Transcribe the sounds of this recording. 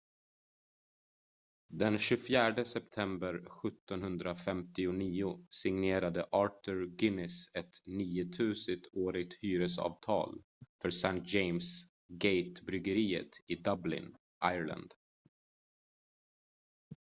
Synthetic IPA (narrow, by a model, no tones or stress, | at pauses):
d̪ɛnɕɵfjæːɖəsɛpt̪ʰɛmbəɾɧɵt̪ːɔnɦɵnd̪ɾafɛmt̪ɪʊniːʊsɪŋneːɾad̪əʔɑːʈʊɾɡɪnɪsɛt̪niːʊt̪ʰʉ̟ːsət̪ʰoːɾɪɡ̚t̪hyːɾəsɑ̰ːvt̪ʰɑ̰ːl | fœɾsɛnt̪̚d͡ʒejms | ɡejt̪bɾʏɡəɾiːə̰t̪ɪd̪ablɪ̰n | ʔajɭa̰nd̪̥